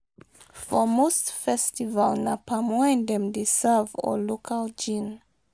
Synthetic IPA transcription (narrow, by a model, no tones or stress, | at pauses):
fɔmostfɛstivalnapʰamãndɛ̃mdesɛvɔ̰lokʰald͡ʒĩn